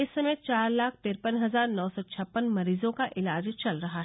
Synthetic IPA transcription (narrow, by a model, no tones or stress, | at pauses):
ɪssːɐmeːt̪t͡ʃaːɾlaːkʰt̪eːɾpənɦɐzaːɾnɔːsɔt͡ʃʰɐpːənmɐɾiːzõkaʔɪlaːd͡ʒt͡ʃɐlɾɐɦaɦ